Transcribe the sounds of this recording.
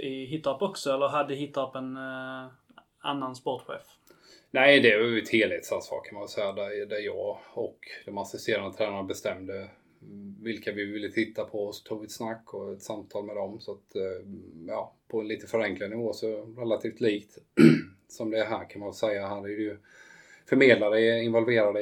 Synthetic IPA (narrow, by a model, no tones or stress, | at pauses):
ɪɦɪt̪ːapɔksɔɛlːəɾɦad̪ːəɪɦɪt̪ːapɛn | a̰nːanspɔʈɧḛːf | næɪd̪ɛvɑjt̪ʰeːlheːt̪saasɑ̰ːkʰanmanvɛlsɛjːad̪æɾd̪æɾjɑːɡɔkd̪̥ɔmasɪst̪eːɾand̪ət̪ʰɾæːnanabɛst̪ɛmd̪ə | vɪlkavɪvɪlːət̪ʰɪt̪ːapʰɔɔst̪ʰuːɡvɪt̪snakːɔɛt̪samt̪ʰɑːlmɛd̪ɔmsɔat̪ | jɑːpʰɔɛnliːt̪əfœɾɛŋklad̪nɪvoːsɔɾɛlat̪ʰiːft̪liːkt̪ | sɔmd̪ɛæɦæːɾkʰanmanvɛlsɛjːaɦæːɾædɛjɵ | fœɾmeːd̪lad̪əɪnvɔlveːɾad̪